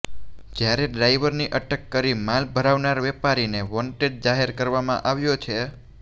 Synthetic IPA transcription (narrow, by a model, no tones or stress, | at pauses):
d͡ʒjaɾeɖɾaiʋəɾniʔəʈəkːəɾimalbʱəɾaʋnaɾʋɛpaɾineʋɔɳʈeɖ̚d͡ʒaɦeɾkəɾʋamã̰ʔaʋjot͡ʃʰe